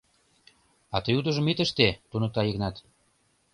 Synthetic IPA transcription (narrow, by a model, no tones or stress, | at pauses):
ɑt̪əjud̪ə̆ʒə̆mit̪əʃt̪et̪unɤt̪ɑjəɣnɑt̪